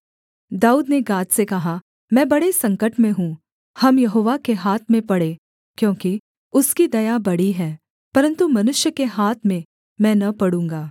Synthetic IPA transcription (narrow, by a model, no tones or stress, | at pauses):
d̪aːuːd̪neɡaːt̪sekɐɦa | mɛ̃ːbɐɽesɐ̃ŋkəʈmẽɦũː | hɐmjɐɦoːʋakeɦaːt̪ʰmẽpɐɽeː | kjõːki | ʊskid̪ɐjabɐɽiɦɛː | pɐɾə̃nt̪umɐnʊʃjəkeɦaːt̪ʰmẽ | mɛ̃ːnɐpɐɽũːŋɡaː